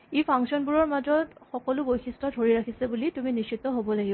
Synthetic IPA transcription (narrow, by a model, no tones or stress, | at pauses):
epʰaŋksiɔnbuɹɔɹmazɔtxɔkɔlʊbojxʰistɔdʱoɹiɹakʰisɛbulituminist͡ʃʰitɔɦobɔlaɡib